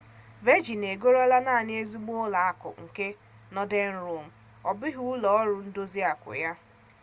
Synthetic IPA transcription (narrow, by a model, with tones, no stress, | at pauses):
ve˦d͡ʒi˨ne˨ɡo˦ɾa˦la˦na˦˨a˨nɪ˦e˦zi˦ɡ͡bo˦la˨a˦kʊ̰˨ŋ̩˨ke˦ | nɔ˦de˦n̩˦ɾu˦˨m̩˨ | ɔ˨bɪ˦ɦu˦lɔ˨ɔ˦ɾʊ˨n̩˦do˦zi˦a˨kʊ̰˨ja˦